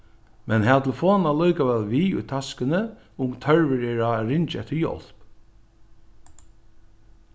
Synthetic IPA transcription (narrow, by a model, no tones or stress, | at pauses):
mɛnɦæːt̪ʰɪlfoːnalɔjkaʋɛːlʋiːʊ̰jt̪ʰaskənə | ʊmt̪ʰœɹʋəɾɛːɹaɾɪnt͡ʃɛ̰ht̪ːəɹjɔ̰l̥p